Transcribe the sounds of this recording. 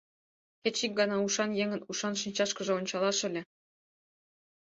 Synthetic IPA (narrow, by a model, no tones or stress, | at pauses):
kʲet͡ɕik̚ɡɑnɑuʂɑnjeŋɘ̆nuʂɑnʃinʲt͡ɕɑʃkɤ̆ʒɤ̆onʲt͡ɕɑlˠɑʃɘ̆lʲĕ